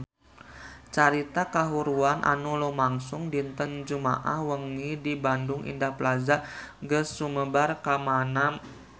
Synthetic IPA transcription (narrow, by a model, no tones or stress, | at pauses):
t͡ʃaɾit̪akaɦuɾuanʔa̰nulumaŋsʊŋdint̪ənd͡ʒuma̰ʔa̰hwəŋidibandʊŋʔḭndaplazaʔɡəsuməbarkamana